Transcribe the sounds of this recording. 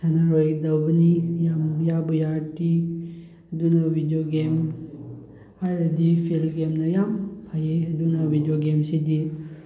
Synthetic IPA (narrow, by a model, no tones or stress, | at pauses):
sanaɾojdawbɐnijamjabujaʈi | ɐdunɐbʱidijoɡem | ajɾdipʰilɡemnɐjampʰajeɐdunɐbʱidijoɡemsidi